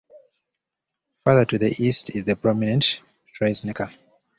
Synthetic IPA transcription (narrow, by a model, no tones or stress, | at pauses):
faðətuðiʔistʰizðəpɹ̥ɔminɛ̃nt | tʰɹaɪsnɛkʰə